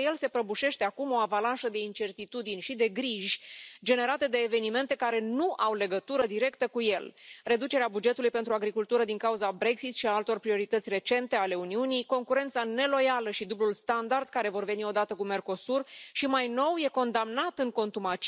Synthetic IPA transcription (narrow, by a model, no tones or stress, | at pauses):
je̞lse̞pɾəbuʃe̞ʃt̪e̞akumo̞avalanʃəd̪e̞int͡ʃe̞rt̪it̪ud̪inʲʃid̪e̞ɡɾiʒʲd͡ʒe̞ne̞ɾat̪ed̪e̞ːve̞nime̞nt̪e̞kaɾe̞nuʔawle̞ɡət̪uɾəd̪iɾe̞kt̪əkuje̞lre̞d̪ut͡ʃe̞ɾeabud͡ʒe̞t̪ulujpe̞nt̪ɾuaɡɾikult̪uɾəd̪iŋkauzabɾe̞ksit̪ʃiaalt̪o̞rpɾio̞ɾit̪ət̪sʲre̞t͡ʃe̞nt̪e̞ale̞uniunijko̞ŋkuɾe̞nt̪sane̞lo̞jaləʃid̪ublulst̪and̪ard̪̚kaɾe̞vo̞rve̞nio̞d̪at̪əkume̞rko̞surʃimajno̞wje̞ko̞nd̪amnat̪ɨŋko̞nt̪umat͡ʃ